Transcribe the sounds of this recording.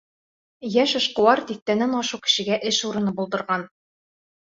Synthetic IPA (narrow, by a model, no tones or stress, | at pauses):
jæʃɤ̆ʃqɤ̆wɑɾt̪ik̚t̪ænænɒʃukɘ̥̆ʃɘ̆ɡæʔɘʃuɾɤ̆nɤbulˠd̪ɤ̆ɾʁɑn